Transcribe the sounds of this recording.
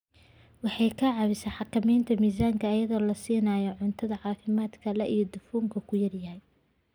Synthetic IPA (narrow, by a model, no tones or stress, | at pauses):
wɑħɑjkʰɐʕɑβɪsɐħɑkʰɐmɛjnt̪ʰɐmiːs̬aːŋkʰɐːjɐðɔːlɐsiːnajɔʕʊnt̪ʰɐðɐʕɑːfɪmaːd̪kʰɐlɛʔijɞd̪ʊfuːŋkʰɐkʰʊjɐrjɐhɛj